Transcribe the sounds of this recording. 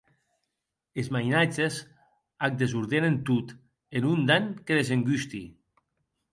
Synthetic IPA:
ezmajnad͡ʒez | ak̚d̪ezuɾðenent̪ut̪ | enund̪aŋkeðezeŋɡyst̪ḭ

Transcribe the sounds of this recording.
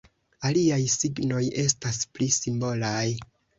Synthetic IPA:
aliajsiɡno̞je̞stasplisimbo̞laj

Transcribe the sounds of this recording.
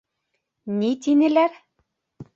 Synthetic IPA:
nit̪inɘ̆læɾ

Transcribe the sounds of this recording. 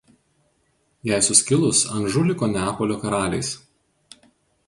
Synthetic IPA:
jɛˑɪsʊsʲkʲɪlˠʊsɐnʒʊlʲɪkoːnʲæːpoːlʲoːkɐɾɑːlʲɛ̰ɪs

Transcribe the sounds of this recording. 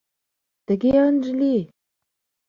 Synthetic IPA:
t̪ə̆ɣeənʒli

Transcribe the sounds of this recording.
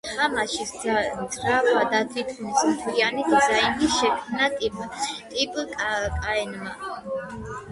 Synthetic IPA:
χamaʃist͡s̪ʼɾabad̪at̪ʰit̪ʰχnismt̪ʰwianid̪zainiʃɛkʰmnat̪ʼt̪ʼipʼkʼkʼaɛnma

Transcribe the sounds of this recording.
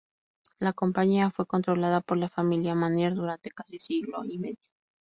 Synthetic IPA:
lako̞mpaɲiafwe̞ko̞nt̪ɾo̞laðapo̞ɾlafamiljamaneɾðuɾant̪e̞kasisiɣlo̰ime̞ðjo

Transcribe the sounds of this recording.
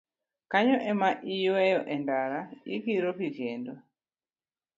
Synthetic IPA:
kaɲɔʔɛmaʔijɔɛjɔʔɛndaɾaikiɾɔɸivjɛndɔ

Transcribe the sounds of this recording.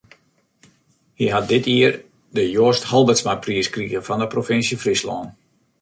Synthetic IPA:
hiɦat̚dɪtʰiər | dəjoːsthɔlˠbətsmapriəskriɣəfɔndəprofɪnsjəfrislɔ̰ːn

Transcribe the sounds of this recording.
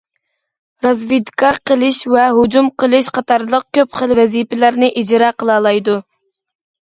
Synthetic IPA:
ɾɑzvid̪kʰɑqʰəlˠɨʃvɛɦud͡ʒumqəlˠɨʃqʰɑt̪ʰɑɾlˠəq̚kʲøpχəlvɛzipɪlæɾnɪʔid͡ʒɾɑqʰəlˠɑːlˠɑjd̪u

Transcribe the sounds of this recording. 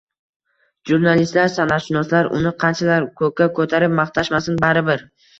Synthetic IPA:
ʒuɾnalist̪laɾsanaʃɪnɒslaɾʔʊ̰nɪqʰɑnt͡ʃʰalaɾkʰɵkʲakʰɵt̪ʰaɾɪp̚mɑχt̪ʰaʃmasɪnbaɾɪbɪɾ

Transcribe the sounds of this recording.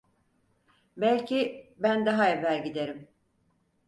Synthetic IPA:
bælʲcʰibænd̪aɦaevæɾɟid̪e̞ɾim

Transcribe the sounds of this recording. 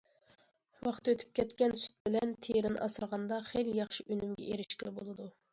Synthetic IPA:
wɑχt̪øt̪ʰy̥p̚kʲʰɛt̪kʲɛnsy̥t̪̚bɪlɛnt̪ʰeɾɪnʔɑ̰sɨɾʁɑnd̪ɑχejljɑχʃiʔønymɡʲɛ̰ʔeɾɪʃkʲɪlɪbolˠɨd̪u

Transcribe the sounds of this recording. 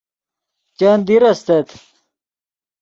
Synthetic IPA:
t͡ɕand̪iɾɐst̪et̪

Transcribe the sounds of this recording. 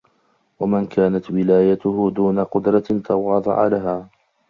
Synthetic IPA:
wamɪnkaːnat̪wɪlaːjat̪ʊhʊd̪uːnaqʊd̪ɾˤɑt̪ʰɑwɑːd̪ˤɑ̰ʕa̰laɦaː

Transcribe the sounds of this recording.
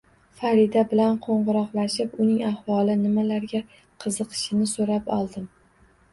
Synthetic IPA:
faɾid̪abɪlanqʰoɴʁɨɾɒqlaʃɪpʊnɪŋahwɒlˠɪnɪmalaɾɡʲa | qʰɨzɨqʰɨ̥ʃɪnɪsoɾapɒlˠd̪ɪm

